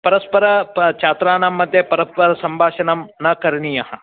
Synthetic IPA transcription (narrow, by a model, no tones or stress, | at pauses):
pɐɾɐspɐɾɐt͡ʃaːt̪ɾaːnɐmːɐd̪ʱjɐpɐɾɐspɐɾɐsɐmbʱaːʃɐnɐmnɐkɐɾɳijɐɦɐ